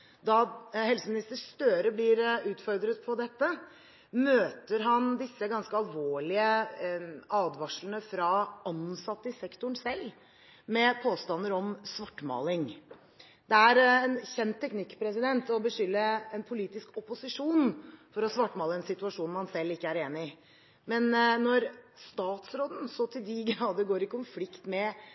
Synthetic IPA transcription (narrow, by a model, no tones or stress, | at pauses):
d̪ɑhɛlsəmɪnɪst̪əst̪øːɾəblɪːɾʉːt̪fɔɾd̪ɾət̪pʰɔd̪ɛt̪ːə | møːt̪əɾɦɑnd̪ɪsːəɡɑnskəɑlʋoːɭɪə | ɑːd̪ʋɑʂlənəfɾɑɑnsɑt̪ːəɪsɛkt̪ʊɳsɛlː | mɛpʰoːst̪ɑnəɾɔmsʋɑʈːmɑ̰ːlɪŋ | d̪̥ɛæɾɛnçɛnt̪ʰːɛknɪkːpʰɾɛs̬ɪd̪ɛnt̪ɔbəʂʏlːəɛnpʰʊliːt̪ɪskɔpʊsɪʂuːnfɔɾɔsʋɑʈːmɑːləɛnsɪt̪ʉɑʂuːnmɑnsɛlːɪkːəæɾeːnɪ | mɛnnɔɾst̪ɑːt̪sɾoːd̪n̩sɔt̪ʰɪld̪ɪɡɾɑːd̪əɡoːɾɪkʊnflɪkt̪mɛ